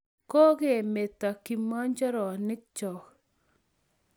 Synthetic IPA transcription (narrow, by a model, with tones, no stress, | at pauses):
kɔ˦ɣe˨me˨t̪a˨kɪ˨mɔ˦ɲd͡ʒɔ˦ɾɔ˨nɪ˦k̚t͡ʃɔ˨k